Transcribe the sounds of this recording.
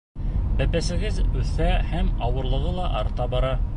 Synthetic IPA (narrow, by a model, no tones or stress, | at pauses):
bæpæsɘ̆ɡɘðʉθæhæmɑwɤ̆ɾlˠɤ̆ʁɤlˠɑʔɑɾt̪ɑbɑɾɑ